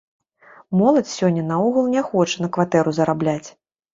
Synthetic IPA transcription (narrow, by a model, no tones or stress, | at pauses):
mɔlˠɐt͡sʲsʲɔnʲːɐnauɣɐlˠnʲɛxɔt͡ʂɐnɐkvat̪ɛɾuzɐɾablʲat͡sʲ